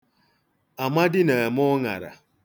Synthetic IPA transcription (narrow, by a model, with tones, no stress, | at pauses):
a˨ma˦dɪ˦ne˨mɔ˦ŋa̰˨ɾa̰˨